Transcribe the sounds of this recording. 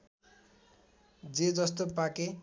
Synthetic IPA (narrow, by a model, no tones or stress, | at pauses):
d͡zed͡zʌst̪opake